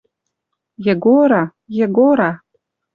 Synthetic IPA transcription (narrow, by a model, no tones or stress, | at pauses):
jeɡoɾɑ | jeɡoɾɑ